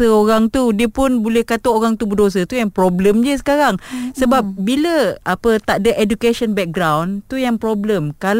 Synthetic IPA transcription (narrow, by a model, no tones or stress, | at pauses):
əoɾaŋt̪udiəpʊnbolɛhkat̪ooɾaŋt̪ubudos̬ət̪ujaŋpɾobləmd͡ʒəs̬ə̥kaɾaŋsəbap̚biləapət̪aʔdəʔedukasɔnbɛk̚ɡɾawnt̪ujaŋpɾobləmkal